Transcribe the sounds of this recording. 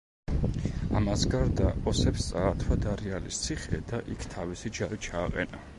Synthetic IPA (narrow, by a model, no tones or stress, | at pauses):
amasɡaɾd̪akʼɔsɛpst̪sʼaːt̪ʰwad̪aɾialḭst̪sʰiχɛd̪aʔikʰt̪ʰavisid͡ʒaɾit͡ʃʰaːqʼɛ̰na